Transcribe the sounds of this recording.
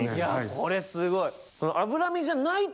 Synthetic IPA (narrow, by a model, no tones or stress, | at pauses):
jakʰo̞ɾe̞sɨɡo̞i | sonoʔabɯ̟ɾamʲiʑanai